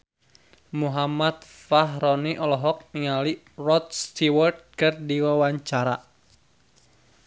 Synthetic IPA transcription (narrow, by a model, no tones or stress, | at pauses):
muɦamat̪ | faɦrɔniʔɔlɔɦɔk̚niŋali | rɔt̪̚st̪iwərd̪̚kərdiwawaɲt͡ʃaɾa